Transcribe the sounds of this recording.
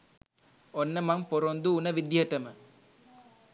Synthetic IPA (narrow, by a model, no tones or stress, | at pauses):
onːəmaŋpoɾond̪uːnəʋid̪jəʈəmə